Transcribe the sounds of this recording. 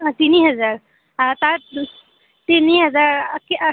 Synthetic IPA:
t̪iniɦɐd͡zaɾ | t̪a | t̪iniɦəd͡zaɾk

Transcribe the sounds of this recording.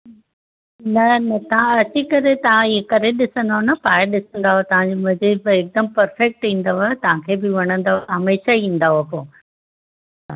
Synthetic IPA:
nɐnɐt̪ɐʋãɐt͡ɕikɐɾet̪ɐʋ̤ãiekɐɾeɗɪsə̃nd̪aɦonɐpaːɗɪsə̃nd̪aːɦot̪ɐʋ̤ãd͡ʑimɐ̃ziːbeːk̚d̪əmpɐɾfɛk̚ʈĩːnd̪aʋot̪ɐʋ̤ãkʰeːbɪʋɐɽ̃ə̃nd̪aɦɐmeːʃaĩːn̆d̪aːɦopoː | a̰

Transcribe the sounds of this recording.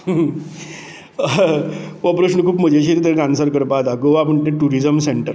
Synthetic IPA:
ʋəpɾəɕnəkʰuːpm̤əd͡ʑeɕiɾit̪̬ẽkansəɾkəɾpat̪aɡoʋapəɳʈ̪ẽʈuɾid͡zəmseɳʈəɾ

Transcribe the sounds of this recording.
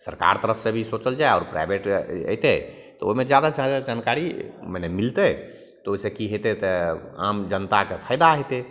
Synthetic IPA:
səɾka̰ɾt̪əɾəpʰsẽbʱisot͡ʃəld͡ʒaeɔːɾpɾa̰jbʱeʈə̰jt̪ɛ | t̪ɔoimed͡ʒjad̪ad͡ʒadad͡ʒankaɾimənemilt̪ɛ | t̪ɔoisẽkiɦet̪ɛt̪ɛa̰md͡ʒənt̪akepʰəɪd̪aɦet̪ɛ

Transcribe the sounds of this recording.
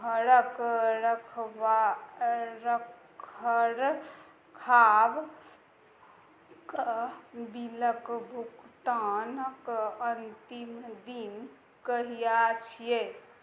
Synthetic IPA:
ɦəɾəkɾəkʰʋa | ɾəkkʰəɾ | kʰab | kəbiləkbʱukt̪anəkənt̪imd̪in | kəɦijat͡ʃʰije

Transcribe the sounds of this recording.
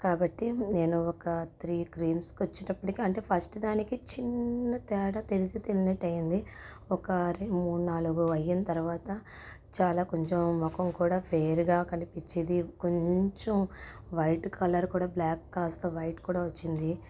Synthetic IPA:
kaːbɐʈːine̞ːnuɔkɐt̪ʰɾiːkɾiːmskot͡ʃːinɐpːɐʈikiɐɳʈe̞ːpʰɐsʈd̪aːnikit͡ʃinːɐt̪ɛːɽɐt̪eɾit͡ʃit̪ilinɐʈːɐjind̪i | ɔkɐɾimuːnaːluɡuɐjːinɐt̪ɐɾuʋaːt̪ɐ | t͡ʃaːlaːkoɲt͡ʃomːɔkɐmkuːɽaːpʰeːɾɡaːkɐnipiɲt͡ʃːind̪ikoɲt͡ʃomʋɐjʈkʰɐlɐɾkuːɽaːblaːkːaːst̪ɐʋɐjʈkuːɽaːʋɐt͡ʃːind̪i

